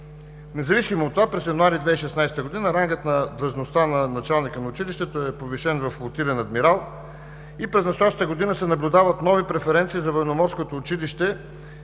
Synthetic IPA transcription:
nɛzɐvisimot̪ːovapɾɛsjɐnʊaɾid̪vɛiʃɛsnajst̪əɡod̪inəɾaŋɡət̪nɐd̪ɾˠɐʒnost̪anɐnɐt͡ʃalˠnikənɐʊt͡ʃiliʃt̪ɛt̪oɛpoviʃɛnvɐflˠot̪ilɛnɐd̪miɾalˠ | ipɾɛznɐst̪ojaʃt̪ət̪əɡod̪inəsɛnɐblʲʊd̪avɐt̪nɔvipɾɛfɛɾɛnt̪siːzɐvəjnomɔɾskot̪oːt͡ʃiliʃt̪ɛ

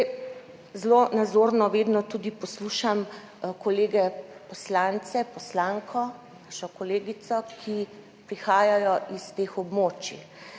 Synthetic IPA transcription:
zlonad̪zoːɾnɔʋeːd̪nɔt̪ud̪ipɔsluːʃam | kɔleːɡɛpɔslant̪sɛpɔslaːŋkʰɔ | naʃɔkɔleːɡit̪sɔkʰi | pɾixaːjajɔʔist̪eːxɔbmoːt͡ʃi

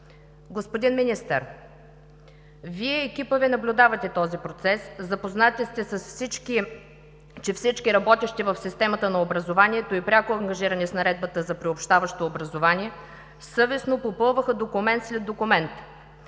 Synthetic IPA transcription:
ɡospod̪inminist̪ə̰ɾ | viɛːk̟ʲipəvɛnɐblʲʊd̪avɐt̪ɛt̪ɔzipɾot̪sɛszɐpoznat̪ɛst̪ɛsɐsfsit͡ʃki | t͡ʃɛfsit͡ʃkiɾɐbɔt̪ʲɛʃt̪ɛvɐfsist̪ɛmət̪ənɐobɾɐzovaniɛt̪oipɾʲakʊɐŋɡɐʒiɾɐnisnɐɾɛd̪̚bət̪əzɐpɾiopʃt̪avɐʃt̪oːbɾɐzovaniɛ | sɤvɛsnopopɤlˠvəxəd̪okʊmɛnt̪slɛd̪d̪okʊmɛnt̪

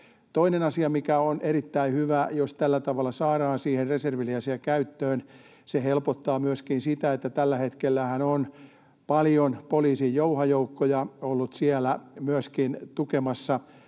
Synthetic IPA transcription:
t̪oinenɑsiɑmikæonʔeɾit̪ːæihyʋæjost̪ælːæt̪ɑʋɑlːˑɑsɑːɾɑːnsiːherreserʋiliæsiækæyt̪ːøːn | sehelpot̪ːɑːmyøskinsit̪æet̪ːæt̪ælːæhet̪kelːæhænon | pɑljonpoliːsijjouhɑjoukːojɑolːut̪siælæmyøskint̪ukemɑsːɑ

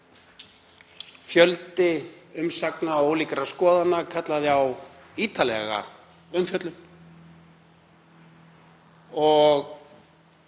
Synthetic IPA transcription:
fjœlt̪ɪʏmsaknaoːwlikɾaskɔːðanːakʰat̪laðɪaw | iːt̪ʰalɛ̰ɣa̰ | ʏmfjœt̪lʏm | ɔɣ

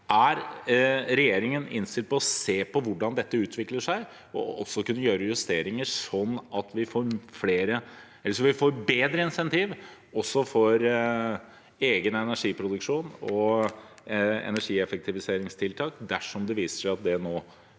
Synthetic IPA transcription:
ʔæɾ | ɾɛjeːɾɪŋənɪ̰nst̪ɪlt̪pɔɔseːpɔʋʊɖɑnd̪ɛt̪ːəʉːt̪ʰʋɪkləʂæɪ | ɔ̰ɔsːɔkʉnːəjøːɾəjʉst̪eːɾɪŋəʂɔnːɑt̪ʰʋɪfoːɾfleːɾə | ɛlːəʂɔʋɪfoːɾbeːd̪ɾəɪnsɛnt̪iːʋ | ɔsːɔfɔɾ | eːɡənɛnæʂiːpʰɾʊd̪ʉkʂuːnɔ | ɛ̰næʂiːɛfək̚t̪ʰɪʋɪseːɾɪŋst̪ʰɪlt̪ʰɑːkd̪æʂɔmd̪ɛʋiːsə̥ʂæɪɑt̪̚d̪ɛnoː

